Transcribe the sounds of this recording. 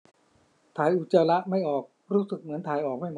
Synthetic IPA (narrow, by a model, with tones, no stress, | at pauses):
t̪ʰaː˨˩jʔu˨˩t̪̚t͡ɕaː˧la˦˥ʔma˥˩jʔɔː˨˩k̚ | ɾuː˦˥sɯ˨˩k̚mɯ˩˦ənt̪ʰaː˨˩jʔɔː˨˩k̚ma˥˩jm